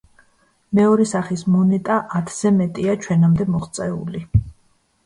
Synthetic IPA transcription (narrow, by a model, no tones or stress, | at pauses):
mɛɔɾɛsaχismɔnɛt̪ʼaʔat̪ʰz̥ɛmɛt̪ʼiat͡ʃʰwɛnamd̪ɛmɔχt̪sʼɛṵli